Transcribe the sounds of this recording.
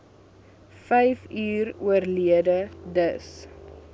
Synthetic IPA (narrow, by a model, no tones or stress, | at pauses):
fɛjfyːruərliədədəs